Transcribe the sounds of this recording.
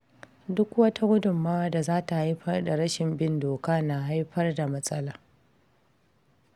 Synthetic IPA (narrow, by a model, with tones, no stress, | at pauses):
dʊ˦kwɐ˦ta˦ɡʷʊ˦dʊ˨mːaː˦wa˦da˨zaː˦ta˨ha˦jɸɐ˦rda˨ɾɐ˦ʃɪ˨mbɪ˦ndoː˨kaː˦na˨ɦa˦jɸɐ˦rda˨mɐ˦sʼɐ˦laː˨